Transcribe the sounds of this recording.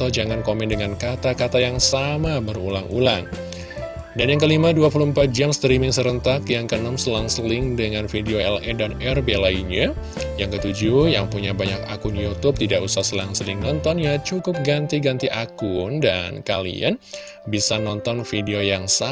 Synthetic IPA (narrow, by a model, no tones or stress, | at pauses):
t̪ad͡ʒaŋankomɛndəŋankat̪akat̪ajaŋsamabərṵlaŋulaŋ | danjaŋkəlimaduapulʊhəmpat̪̚d͡ʒamst̪ɾimɪŋsəɾənt̪akjaŋkənəmsəlaŋsəlɪŋdəŋanfideoɛlɛdanɛrbelaina | jaŋkət̪ud͡ʒuja̰ŋpuɲabaɲakakʊnjut̪ʊp̚t̪idaʔusahsəlaŋsəlɪŋnɔnt̪ɔnjat͡ʃukʊp̚ɡant̪iɡant̪iʔakʊnda̰nkalḭa̰n | bisanɔnt̪ɔnfideojaŋsa